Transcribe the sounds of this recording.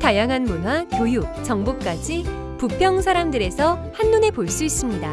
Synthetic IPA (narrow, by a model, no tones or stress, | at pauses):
tajaŋɦanmonɦwakjojuk̚t͡ɕʌŋbuk͈ad͡ʑi | pupʰjʌŋsʰaɾamdɯɾe̞sʰʌhanːune̞poɭs͈uis͈ɯmɲida